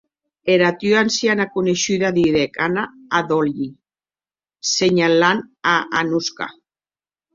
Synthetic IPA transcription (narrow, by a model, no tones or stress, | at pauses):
eɾat̪yansianakuneʃyðaðiɾekanaː | ðolʎi | seɲalanaʔanuska̰